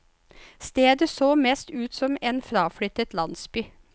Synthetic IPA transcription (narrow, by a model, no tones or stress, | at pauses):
st̪eːd̪əsoːmeːst̪ʉːt̪sɔmeːnfɾɑːfɽʏt̪ət̪lɑnsby